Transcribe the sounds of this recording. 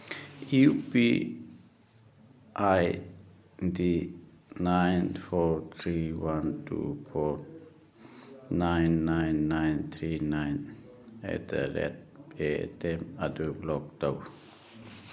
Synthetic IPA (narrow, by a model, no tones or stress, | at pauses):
upi | ʔaj | dinãjnfɔt̪ʰɹiwãntʰṵfɔ | nãjnːãjnːãjnt̪ʰɹinãjn | ɛ̰tə̰ɾɛ̰t̚petɛ̃madublɔk̚dow